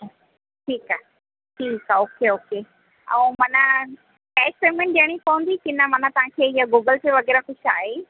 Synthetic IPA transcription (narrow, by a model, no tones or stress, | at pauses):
ʈʰiːkaːɦ | ʈʰiːkaoːkeoːke | ɛ̰̃ːmɐnə | kaekspeɾimẽɳʈ̚ɗəɽ̃ipɐʋə̃nd̪ikɪnəmɐn̤at̪ɐʋãkʰeːɪjaɡuːɡəlt̪eʋɐɣɛːɾaxʊʃaːɦe